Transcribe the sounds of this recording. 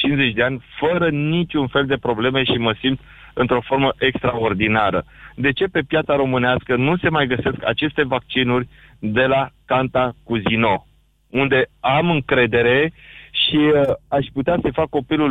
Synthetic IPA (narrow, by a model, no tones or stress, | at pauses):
t͡ʃinze̞t͡ʃʲd̪e̞anʲfəɾənit͡ʃʲunfe̞ld̪e̞pɾo̞ble̞me̞ʃiməsimt̪ | ɨnt̪ɾo̞fo̞rməʔekst̪ɾao̞rd̪inaɾə | d̪e̞t͡ʃe̞pe̞pjat̪saɾo̞mɨneaskənuse̞majɡəse̞ska̰t͡ʃe̞st̪e̞vak̚t͡ʃinurʲ | d̪e̞lakant̪akuzino̞ | und̪e̞amɨŋkɾe̞d̪e̞ɾe̞ʃiaʃput̪easəfakːo̞pilul